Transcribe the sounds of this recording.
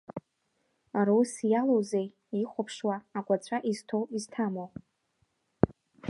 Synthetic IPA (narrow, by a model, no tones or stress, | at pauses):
aɾowsjalozej | iχʷapʰʂwaːɡʷat͡ɕʷʼaʔiztʰowiztʰamo